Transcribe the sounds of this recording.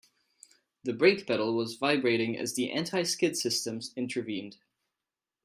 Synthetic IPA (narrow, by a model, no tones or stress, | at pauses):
ðɨbɹeɪkb̥ɛɾl̩ˠwʌzvaɪbɹeɪɾɪ̃ŋɨ̰zðiʔæ̰̃ntʰaɪskɪd̥sɪstɨ̃mzɪ̃ntʰə˞vĩnd̥